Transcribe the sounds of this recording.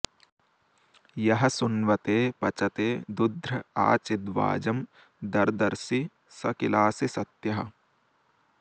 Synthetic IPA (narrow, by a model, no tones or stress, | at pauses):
jɐɦɐsʊnʋɐt̪eːpɐt͡ʃɐt̪eːd̪ud̪ʱɾɐa̰ːt͡ʃɪd̪ʋa̰ːd͡ʒɐm | d̪ɐɾd̪ɐɾsi | sɐkɪlaːsisɐt̪jɐɦɐ